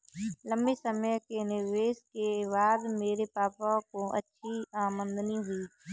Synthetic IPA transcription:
lə̃mbisəməjkenɪɾʋeːskeβaːd̪meːɾepaːpakoʔə̰tːʃʰiaːmə̃nd̪əniɦʊiː

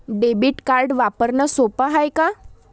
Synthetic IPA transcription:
ɖebiːʈkaɾɖʋapəɾnəsopaɦajka

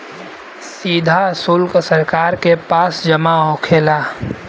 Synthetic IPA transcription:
siːd̪ʱasʊlksəɾkaːɾkepaːsd͡ʒəmaɦõːkʰeːlaː

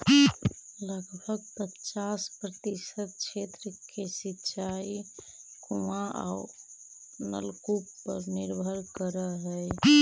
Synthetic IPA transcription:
ləɡbʱəɡ̚pətːt͡ʃaspɾət̪isəd̪̚t͡ʃʰet̪ɾəkesitːt͡ʃʰai | kuaʔa̰u | nə̰lkupːə̰ɾniɾbʱəɾkəɾəɦəj

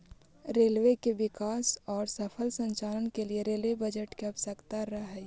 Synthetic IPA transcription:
ɾeːlʋekebɪkaːsɔːɾsəpʰəlsə̃ɲt͡ʃaːlənkelieɾeːlwebɐd͡ʒəʈkeɐpsəkt̪aɾɐɦɛ

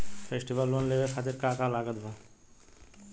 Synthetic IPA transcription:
fʰesʈibalːonlebekʰat̪iɾkakalaɡəd̪bʱa

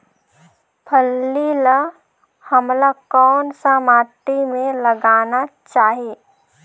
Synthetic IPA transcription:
pʰəlːila | həmlakɔːnsamaːʈimẽləɡaːnat͡ʃaːɦieː

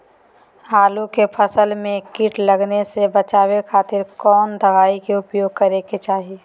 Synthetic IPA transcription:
ɦaːlũkepʰəsəlmẽkiʈləɡnesebət͡ʃaːwekʰaːt̪ɪɾkɔːnd̪əʋaːikeʊpjoːɡ̚kɐɾeket͡ʃaːɦi

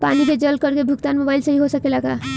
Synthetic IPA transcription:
paniked͡ʒəlkəɾkebʱukt̪anmobajlsəɦiɦosəkelaɡa

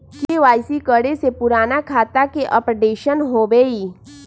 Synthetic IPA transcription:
kiʋaːjsikəɽesepʊɾaːnakʰaːt̪akeʔəpɾɖeːʃənɦobeːiː

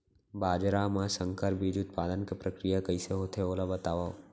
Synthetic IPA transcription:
baːd͡ʒɾamãsə̃ŋkʰəɾbʱid͡ʒʊt̪̚paːd̪ənkepɾəkɾijakəɪseɦoːt̪ʰeoːlabət̪aːʋa

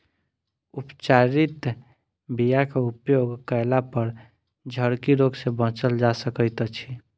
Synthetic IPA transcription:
upt͡ʃaɾit̪ | bijakeupjoɡkəlapəɾ | d͡ʒʱəɽkiɾoɡsẽbə̃ɦt͡ʃəld͡ʒasəkəjt̪t͡ʃʰi

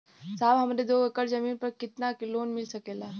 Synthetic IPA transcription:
saːbɦɐmɾed̪oːəkəɽzɐmiːnpɐɾkɪt̪nakɪloːnmɪlsɐkeːlaː

